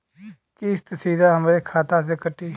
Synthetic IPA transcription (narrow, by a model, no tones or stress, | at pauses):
kist̪siːd̪aɦəmːɾekʰaːt̪as̬ekəʈːiː